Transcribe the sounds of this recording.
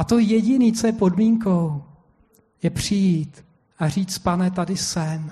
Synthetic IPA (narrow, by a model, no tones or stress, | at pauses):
at̪o̞jɛɟɪniːt͡sojɛpodmiːŋko̞w | jɛpr̝̥ɪjiːt̪ | ʔariːt͡spanɛt̪̬adɪsɛm